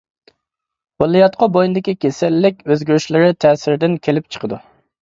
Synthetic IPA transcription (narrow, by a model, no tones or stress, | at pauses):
bolˠːijɑt̪̚qʰɑbojnɨd̪ɪkʲikʲesɛlːɪkʲøzɡʲyɾyʃlɪɾɪt̪ʰɛːsɪɾd̪ɪnkʲʰelɪp̚t͡ʃʰə̥qʰəd̪u